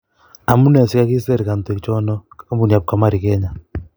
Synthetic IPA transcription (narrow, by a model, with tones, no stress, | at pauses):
a˨mu˦nɛ˨si˦ka˦ki˦sɛ˦˨ɾi˨ka˨nte˨kt͡ʃɔ˦nɔ˦kka˦mbu˨ni˨a˨p̚ka˨ma˦ɾi˨kɛ˦ɲa˨